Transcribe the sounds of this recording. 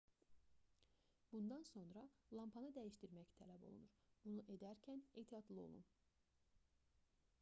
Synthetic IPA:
bund̪ɑnso̞nɾɑlˠɑmpʰɑnɯd̪æjiʃt̪iɾmæct̪ʰælæbo̞̰lˠṵnuɾb̥unuʔe̞d̪æɾcʰæneːt̪ʰijɑd̪lˠɯo̞̰lˠṵn

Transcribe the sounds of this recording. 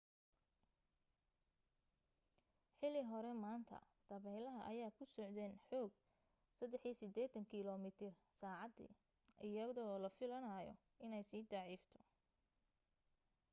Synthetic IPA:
ħɪlɪɦɔɾɛmaːnt̪ʰɐ̰ | d̪̥ɐβɛlɐɦɐʔɐjaːkʰʊsɔʕd̪ɛːnħɔːɡ̚ | sɐd̪ɛħisɪd̪ɛːt̪ʰɐŋkʰɪlɔmɪt̪ʰɪr | saːʕɑd̪ḭː | ʔɪjɐðɔːlɐfɪlɐnajɔ̰ | ɪnɛjsiːd̪ɑʕiːft̪ʰɔ̥

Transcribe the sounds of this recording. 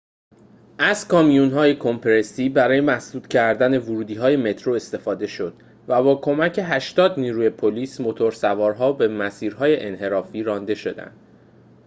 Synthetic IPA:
ʔæz̥kʰɒːmijunɦɒːje̞kʰompʰeɾe̞siːbæɾɒːje̞mæsd̪uːd̪̥cʰæɾd̪æne̞vuɾuːd̪iːɦɒːje̞me̞t̪ʰɾo̞e̞st̪e̞fɒːd̪e̞ʃo̞d̪̥ | væbɒːkʰo̞mæcʰe̞ɦæʃt̪ɒːd̪niːɾuːje̞pʰoliːsmot̪ʰo̞ɾsævɒːɾɦɒːbe̞mæsiːɾɦɒːje̞ʔenɦe̞ɾɒːfiːɾɒnd̪e̞ʃo̞d̪æ̰nd̪̥

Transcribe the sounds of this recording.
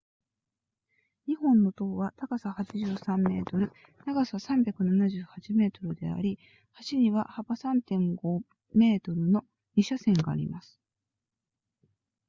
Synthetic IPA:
ɲ̟ihõ̞nːo̞t̪o̞ːβat̪aɡasahat͡ɕiʑɨːsãmːe̞ːt̪o̞ɾɯ̟ | naɡasasãmbʲjakɯ̟nanaʑɨːhat͡ɕime̞ːt̪o̞ɾɯ̟d̪e̞̰a̰ɾʲi | haɕiɲ̟iβa̰habasãnt̪ẽ̞ŋɡo̞ | me̞ːt̪o̞ɾɯ̟no̞ | ɲʲiɕasẽ̞ŋɡa̰ːɾʲḭmasɨ̥

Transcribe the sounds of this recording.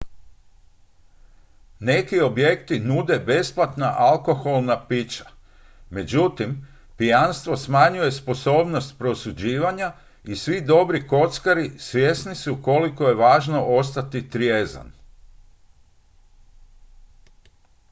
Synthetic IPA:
ne̞kio̞bje̞kt̪inud̪e̞be̞splat̪naʔalˠko̞xo̞lˠnapit͡ʃḁ | me̞d͡ʑut̪im | pijanst̪ʋo̞smaɲuje̞spo̞so̞ːbno̞st̪̚pɾo̞sud͡ʑiːʋaɲa | isʋid̪o̞bɾiko̞t̪skaɾisʋʲje̞snisuko̞liko̞je̞ʋaːʒno̞ʔo̞st̪at̪it̪ɾjeːza̰n

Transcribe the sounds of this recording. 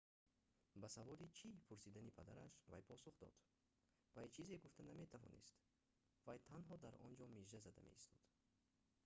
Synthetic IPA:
basavɔɾit͡ʃʰipʰuɾsid̪anipʰad̪aɾaʃva̰jpʰɔsuχd̪ɔ̰d̪̥ | vajt͡ʃʰizeɡuft̪ʰaname̞t̪ʰavɔ̰nḭst̪ | vajt̪ʰanɦɔd̪aɾɔ̰nd͡ʒɔmeʒazad̪a̰me̞̰ist̪ɔd̪̥

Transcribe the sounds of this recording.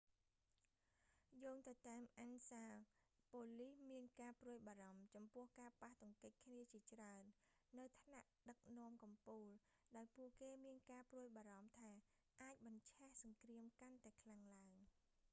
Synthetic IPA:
joːŋt̪ɨwt̪aɛmʔansaː | poːlihmiənkaːpruəjɓaːɾɑmt͡ɕɑmpʊ̆əhkaːpaht̪ʊ̆ŋkəc̚kʰniət͡ɕiət͡ɕraənː | ɨwt̪ʰnaʔɗək̚nɔ̆əmkɑmpuːl | ɗaɔjpʊəʔkeːmiənkaːpruəjɓaːɾɑmt̪ʰaː | ʔaːc̚ɓɑɲt͡ɕʰɛhsɑŋkriəmkant̪aɛkʰlaŋlaəŋ

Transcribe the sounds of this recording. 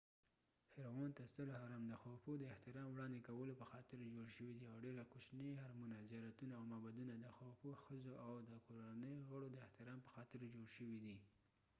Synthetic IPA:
fɪɾwɑnt̪ast̪əlhɑɾɑmd̪əxɑwpod̪əɪht̪ɪɾɑmwɽɑnd̪ekawəlopəxɑt̪ɪɾd͡ʒoɽʃəwid̪iawɖeɾakuʃnihaɾmunazjɑɾat̪unaːwmɑbad̪unad̪əxawpoxəzoʔawd̪əkoɾaanəjoɣəɽod̪əɪht̪ɪɾɑmpə̥xɑt̪ɪɾd͡ʒoɽʃəwid̪i

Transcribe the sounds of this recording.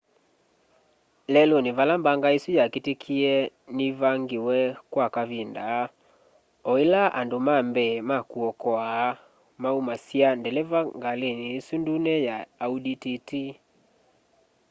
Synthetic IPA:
lɛlonevalambaŋɡaesujaketekʰiɛ | nivaŋɡewɛkwakaβinda | ɔilaʔa̰ndomambɛmakuɔkɔaː | maumasiandɛlɛvaŋɡaleneːsundunɛjaːudititi

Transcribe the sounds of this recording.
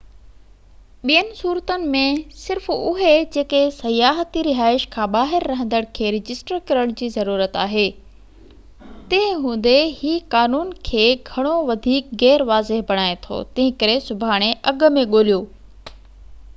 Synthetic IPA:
ɓijənɪ̆suːɾət̪ənɪ̆mẽsɪɾfʊɦed͡ʑeːkesɐjaːɦət̪iɾɪɦaːɪʃkʰãːɓaːɦɪɾːɐɦə̃nd̪əɽ̃kʰeːɾɪd͡ʑɪsʈəɾkɐɾəɽ̃d͡ʑiːzɐɾuːɾət̪aːɦeː | t̪ẽɪ̃ɦũːn̆d̪ehiːkaːnuːnkʰeːɡʱɐɽ̃oʋɐd̪ʱiːkɣɛːɾʋaːzɪɦbɐɽ̃aːet̪ʰo̰ːt̪ɐ̃ɦɪ̃kɐɾesʊbʱaːɽ̃eʔɐɡmẽɠoːlijoː

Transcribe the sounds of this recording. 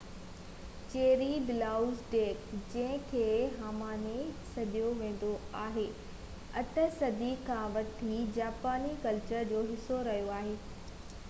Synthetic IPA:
t͡ɕeːɾibɪlaːʊzɖeːkd͡ʑɐ̃ɦɪ̃kʰeːɦaːmaːnesɐɗijoʋẽːn̆d̪oaːɦeː | ɐt̪əsɐd̪ikʰãʋɐt̪ʰid͡ʑaːpaːnikɐlt͡ɕəɾd͡ʑoːɦɪsoɾɐɦijoaːɦeː

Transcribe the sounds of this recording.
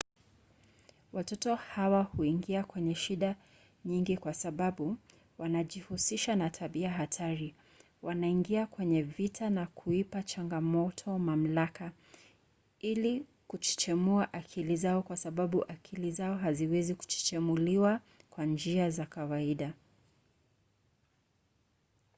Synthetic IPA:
watɔtɔhawahuiŋɡiakwɛɲɛʃiɗa | ɲiŋɡikwasaɓaɓu | wanaʄihusiʃanatʰaɓiaɦatʰaɾi | wʔanaiŋɡiakwɛɲɛvitʰanakʰuipat͡ʃaŋɡamɔtʰɔmam̩laka | ili | kut͡ʃi̥t͡ʃɛmuaʔakʰilizaɔkwasaɓaɓuʔakʰilizaɔɦaziwɛziku̥t͡ʃi̥t͡ʃɛmuliwa | kwand͡ʒiazakawaiɗa

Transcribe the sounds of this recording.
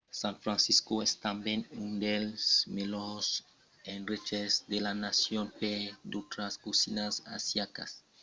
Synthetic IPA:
sãnfɾãnsiskoest̪ambenũnd̪elsmelos | enret͡ʃezd̪elanasjonped̪ot̪ɾaskusinasa̰sjaka̰s

